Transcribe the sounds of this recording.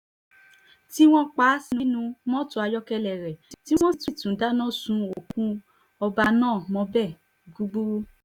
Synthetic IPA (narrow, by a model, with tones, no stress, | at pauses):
ti˦w̃ɔ̃˦k͡pa˨˦si˧nĩ˦nũ˧mɔ̃˦tũ˧˦a˧jɔ˦kɛ˧lɛ˨ɾɛ˨ti˦w̃ɔ̃˦ti˦˨tũ˨˦da˦nã˦˨sũ˧o˨kũ˦ | ɔ˧ba˧nãː˦˨mɔ̃˧bɛ˦˨ | ɡu˦ɡ͡bu˦